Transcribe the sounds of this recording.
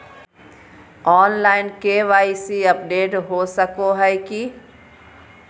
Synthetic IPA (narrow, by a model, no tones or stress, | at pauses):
ɔːnlaːɪnkeʋaːisiɐpɖeːʈɦosəkoɦɛki